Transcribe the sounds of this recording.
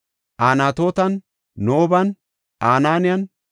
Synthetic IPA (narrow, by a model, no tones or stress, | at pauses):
ʔaːnaːt̪o̞ːt̪ɐnː | oːbɐn | aːnaːnɪjɐn